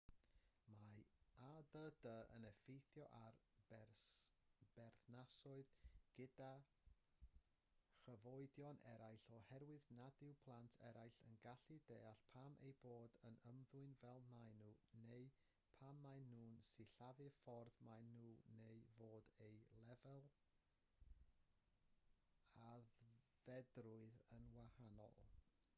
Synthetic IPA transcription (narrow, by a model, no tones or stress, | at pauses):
maaðədəə̰nɛfejθjɔʔar | b̥ɛrθnasɔɨðɡ̥ɪda | χəvɔɨdjɔnʔɛɾajɬɔhɛɾwɨðnadɪwpʰlˠantʰɛɾajɬə̰nɡaɬideːaɬpʰamʔḛjboːdənəmðʊɨnvɛlˠnajnuneɨ | pʰamːajnuːnsɪɬavɨfɔrðmajnuːnejvoːdejlˠɛvɛlˠ | aðvɛdrʊɨðənwahanɔ̰lˠ